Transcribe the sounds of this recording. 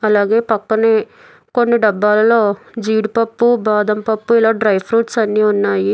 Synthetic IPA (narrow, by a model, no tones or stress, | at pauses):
ɐlaːɡe̞ːpɐkːɐneː | ko̞nːiɖɐbːaːlɐlo̞ːd͡ʒiːɽupɐpːubaːd̪ɐmpɐpːuilaːɖɾɐjpʰɾuːʈsɐnːiːunːaːji